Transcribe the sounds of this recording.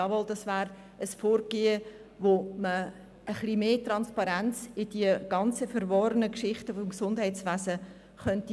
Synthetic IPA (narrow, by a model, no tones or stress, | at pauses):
ɑʋɔldɑsvæːɾ | əsfoːɾɡ̥eːə | ʋomə | əχlimeːtrɑnspɑɾænt͡sɪd̥iəɡ̥ɑnt͡səfɛɾvɔɾənəkʃɪχtəfɔmksʊnd̥ɦɛɪt͡sʋæːsə | χœnti